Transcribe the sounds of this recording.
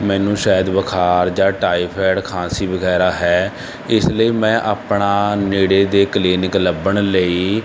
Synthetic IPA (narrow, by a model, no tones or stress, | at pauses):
mɛ̃ːnũːʃaːjəd̪ʋəkʰaːɾd͡ʒãːʈaːiːpʰɛːɽkʰãːsiːʋəɡɛːɾaːɦɛː | ɪsləiːmɛ̃ːʔaːpɳaːneːɽeːd̪eːkəliːnɪkləbəɳləiː